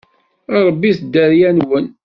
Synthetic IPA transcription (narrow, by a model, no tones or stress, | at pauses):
ɑɾˤəbːiθd̪ːæɾjænwən